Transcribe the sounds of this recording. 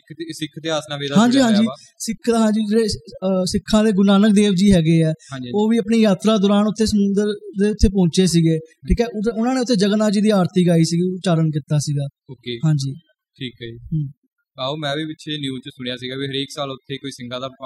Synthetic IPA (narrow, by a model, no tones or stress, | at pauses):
sɪkʰd̪eːaːsnaːʋeːd̪aɦãːɲd͡ʒiːɦãːd͡ʒiː | sɪkʰːd̪aːɦãːd͡ʒiːd͡ʒeːeːsɪkʰːãːd̪eːɡʊnaːnək̚d̪eːʋd͡ʒiːɦɛːɡeːɛ̃ːd͡ʒoːʋiːəpɳeːjaːt̪ɾaːd̪ʊːɾaːnʊt̪ʰːeːsəmũːnd̪əɾd̪eːʊt̪ʰːeːpõːɲt͡ʃeːsiːɡeːʈʰiːkɛːʊʊnãːneːʊt̪ʰːeːd͡ʒəɡnaːd͡ʒiːd̪iːaːɾt̪iːɡaːiːsiːɡiːt͡ʃaːɾənk̬ɪt̪ːaːsiːɡaː | oːkeːɦãːɲd͡ʒiː | ʈʰiːkaiːɦ | aːoːmɛ̃ːʋiːbɪʃʰenjuːt͡ʃsʊɽ̃jaːsiːɡaːbiːɦəɾeːksaːlʊt̪ʰːeːkoːiːsɪŋɡãːd̪aː